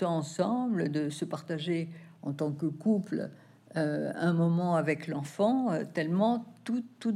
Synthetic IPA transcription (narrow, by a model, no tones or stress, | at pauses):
ɑ̃ɑ̃sɑ̃bld̪əsəpaʁt̪aʒe | ɑ̰̃t̪ɑ̃kəkupl | øɛ̃mɔmɑ̃avɛklɑ̃fɑ̃øt̪ɛlmɑ̃t̪ut̪ːu